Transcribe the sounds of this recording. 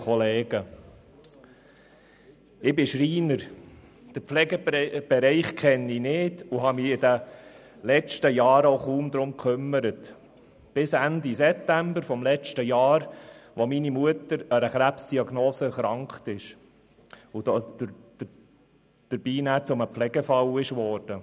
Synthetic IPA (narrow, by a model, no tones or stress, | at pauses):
ɔleːɡ̥ə | ɪbɪʃɾiːnəɾ | d̪̥əɾpflɛɡəb̥ɛɾɛɪχkʰχɛnːinɪːdʊɦɑmiɪdə | lɛt͡ʃtəjɑːɾoʊχuːmd̪ɾʊmkʰʏmːəɾət | b̥ɪsænd̪isɛp̚t̪æmbəɾfɔmlɛt͡ʃtəjɑːɾʋominimuətəɾəɾəχɾæpsd̥iɑɡnoːsəχɾɑŋkχtɪʃ | ʊdo̥ | d̪̥əɾb̥iːnæːt͡sʊməpflɛɡ̥əfɑwɪʃʋɔːɾd̥ə